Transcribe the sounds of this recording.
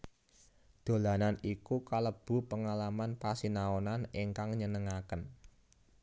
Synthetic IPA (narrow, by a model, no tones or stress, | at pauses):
d̪̥o̤lananikukaləb̥ṳpəŋalamanpasinaonaneŋkaŋɲənəŋakən